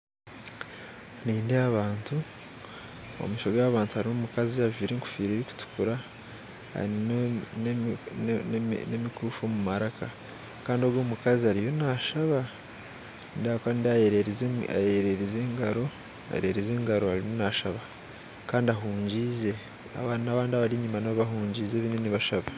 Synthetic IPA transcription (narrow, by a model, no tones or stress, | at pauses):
niːndeaβaːntʰu | o̰miʃoɡaːβaːntuhaɾinomukaziaviːɾeŋku̥fiːɾiɾiku̥tu̥kuɾa | ha̰ɾinn | nemikuːfomumaɾaka | kaːndio̞ɡwo̞ːmukaziaɾijo̞naʃaβa | nndakandaeɾeza̰jeɾe̞ɾezeːŋɡaɾo̞ | a̰jḛɾe̞ɾezeːŋɡaɾo̞aɾinonaʃaβa | kaːndiaɦuːɲɟize̞ | a̰βanaβaːndiaβaɾiɲimanaββaɦuːɲɟiːze̞ːβineniβaʃaβa